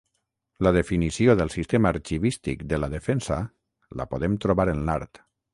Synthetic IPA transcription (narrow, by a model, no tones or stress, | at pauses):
ləð̞efinisioðəlˠsist̪emaːɾt͡ʃiβist̪ikd̪əlaðefɛnsa | la̰poð̞emt̪ɾoβaɾənlaɾt̪